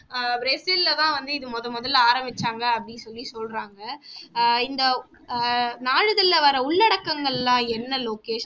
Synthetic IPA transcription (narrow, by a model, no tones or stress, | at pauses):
bɾesɪllɐt̪ãːʋɐnd̪ɯɪðɯmɔðɐmɔðɐlaːɾɐmbɪt͡ʃːaːŋɡɐːpːɐɽɪnsɔlːisɔlɾaːŋɡɐ | ɪnd̪ɐ | naːɻɯðɪlːɐʋɐɾɐʊɭːɐɽɐkːɐŋɡɐɭlãːɛnːɐloːkeːʃ